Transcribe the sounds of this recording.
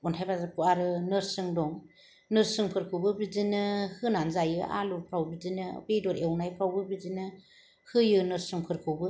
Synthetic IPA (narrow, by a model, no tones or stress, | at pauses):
ɔntʰajbazakuaɾɯnɯɾsɯŋdɔŋ | nɯɾsɯŋpʰɯɾkʰɯwbɯbizinɯhɯnanzajɯʔa̰lupʰɾawbizinɯbedɔɾewnajpʰɾawbɯbizinɯ | hɯjɯnɯɾsɯŋpʰɯɾkʰɯwbɯ